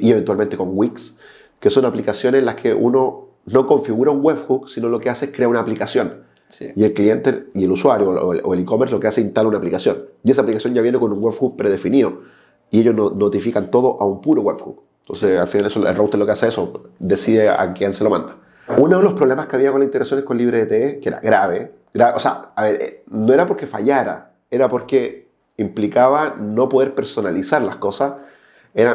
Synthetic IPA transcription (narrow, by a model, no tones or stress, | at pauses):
ieβe̞nt̪walment̪̬eko̞ŋɡwiks | ke̞so̞naplikasjo̞neslaskʰeʔuno̞ | no̞ko̞ɱfiɣuɾauŋɡwefxuksino̞lo̞kease̞ehkɾe̞aunaːplikasjo̞n | sie̞lklie̞nt̪eie̞luswaɾjo̰oelikomeɾslo̞keaseinst̪alaunaːplikasjo̞njiesaːplikasjo̞nɟaβje̞neko̞nuŋwefɣuk̚pɾe̞ðe̞finiðo̞ | ieʝosnonot̪ifikant̪o̞ð̞oʔaumpuɾoweβxṵ | t̪o̞̰nsea̰lfinalesoḛlrowt̪elo̞keaseesod̪e̞siðea̰keanselo̞ma̰nd̪ḁ | unoðelo̞spɾoβlemaskeaβiakonlasint̪eɾaksjonekonliβɾeːt̪eekeeɾa̰ɣɾaβe | ɡɾaeʔosea̰aβeɾenoeɾapoɾkefaʝaɾa̰ | eɾapoɾke | implikaβano̞po̞ðe̞ɾpeɾso̞nalisaɾlasko̞sas | eɾa